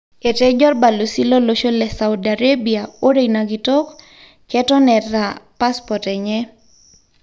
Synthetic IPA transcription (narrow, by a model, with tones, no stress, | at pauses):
e˨tɛd͡ʒɔ˦rba˨lo˨si˦lo˦loʃo˦lɛ˨sa˨udaɾe˦bia˨o˦ɾe˨naɡi˨tɔ˦k | kɛtɔ˦nɛ˨tːa˨pa˦spɔtɛ˨ɲɛ